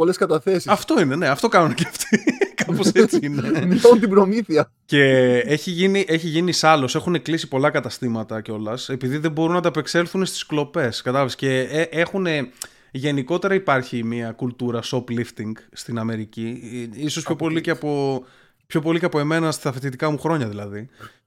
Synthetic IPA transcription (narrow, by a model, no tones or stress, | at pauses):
oleskɐt̪ɐθesiɐft̪o̞ine̞ne̞ɐft̪o̞kɐnuneceɐft̪ikɐpo̞sset͡siinemiθunt̪ibɾo̞miθiɐ | ce̞eçiʝiniʔe̞çiʝinisɐlo̞se̞xune̞klisipo̞lɐkɐt̪ɐst̪imɐt̪ɐceo̞lɐse̞piðiðe̞bo̞ɾunɐt̪ɐpe̞kse̞lθunest̪i̥sklo̞pe̞skɐt̪ɐlɐvesce̞eʔexune̞ | ʝe̞niko̞t̪e̞ɾɐipɐɾçimiɐkult̪uɾɐso̞plift̪iŋɡst̪inɐme̞ɾiciiso̞spço̞po̞liceɐpo̞ | pço̞po̞liceɐpo̞e̞me̞nɐstɐfet̪it̪̬ikɐmuxɾo̞ɲɐðilɐði